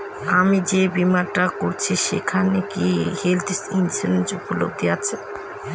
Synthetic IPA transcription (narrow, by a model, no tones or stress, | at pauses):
amid͡ʑebimaɾʈakoɾt͡ɕʰiʃḛkʰanekihelt̪sinseend͡ʑupulo̰t̪iat͡ɕʰe